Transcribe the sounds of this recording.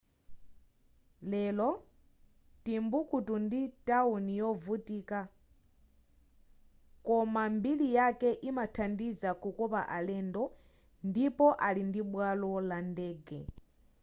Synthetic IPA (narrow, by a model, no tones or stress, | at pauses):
lɛlɔ | timbukutunditaunijɔvutiːka | kɔmambilijakɛʔimatʰandizakukɔpaʔalɛːndɔ | ndipɔʔalindiɓwalɔlandɛːɡɛ̰